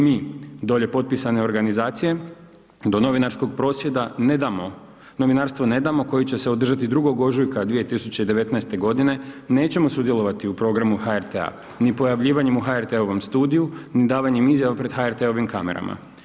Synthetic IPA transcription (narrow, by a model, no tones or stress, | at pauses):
miːd̪o̞ʎe̞po̞t̪̚pisane̞o̞ɾɡanizaːt̪sije̞ | d̪o̞no̞ʋinaɾsko̞ɡ̚pɾo̞ːsʋje̞d̪aned̪amo | no̞ʋinaɾst̪ʋo̞ne̞d̪amo̞ko̞jit͡ɕe̞se̞od̪r̩ʒat̪id̪ɾuɡo̞ɡo̞ʒujkad̪ʋije̞t̪isut͡ɕe̞id̪e̞ʋe̞t̪naest̪e̞ɡo̞d̪ine̞ne̞ːt͡ɕe̞mo̞sud̪jelˠo̞ʋat̪iupɾo̞ɡɾamuhaeɾt̪ea̰ | nipo̞jaʋʎiːʋaɲe̞muxaeɾt̪e̞o̞ʋo̞mst̪uːd̪ijunid̪aːʋaɲemizjaʋapɾe̞d̪̥xaeɾt̪e̞o̞ʋimkame̞̰ɾa̰ma̰